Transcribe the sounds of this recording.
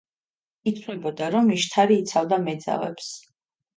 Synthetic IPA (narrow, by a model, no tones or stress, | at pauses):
it̪ʰnɛbɔd̪aɾɔmiʃt̪ʰaɾiːt̪sʰavd̪amɛd̪za̰vɛ̰ps